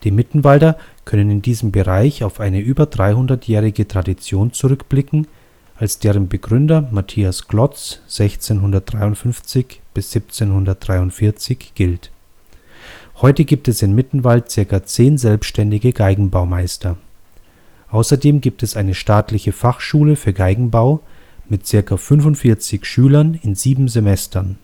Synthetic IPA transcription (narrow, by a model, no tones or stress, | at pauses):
d̥iːmɪtn̩valdɐkʰœnənɪndiːzəmbəʁaɪçaʊfʔaɪnəʔyːbɐdʁaɪhʊndɐtʰjɛːʁɪɡətʁ̥adit͡sjoːnt͡suʁʏkb̥lɪkŋ̩ | ʔalsd̥eːʁənbəɡʁʏndɐmatʰiːasɡ̥lɔt͡sz̥ɛçt͡seːnɦʊndɐt̚d̥ʁaɪʊntfʏnft͡sɪçb̥ɪsz̥ip̚t͡seːnhʊndɐt̚d̥ʁaɪʊntfɪɐt͡sɪçɡ̥ɪlt | hɔʏtəɡiːp̚tɛsɪnmɪtn̩valt̚t͡sɪɐkɐt͡seːnzɛlpsʃtɛndɪɡəɡaɪɡŋ̩baʊmaɪstɐ | ʔaʊsɐdeːmɡiːp̚tɛsʔaɪnəʃtaːtlɪçəfaχʃuːləfyːɐɡaɪɡŋ̩baʊmɪtt͡sɪɐkɐfʏnvʊntfɪɐt͡sɪçʃyːlɐnɪnziːbm̩zemɛstʰɐn